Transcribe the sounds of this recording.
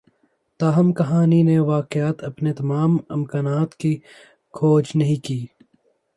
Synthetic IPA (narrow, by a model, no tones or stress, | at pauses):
t̪aːɦɐmkɐɦaːnineʋaːqɪjaːt̪ɐpnet̪ɐmaːmɪmkaːnaːt̪ki | kʰoːd͡ʒnɐɦĩkiː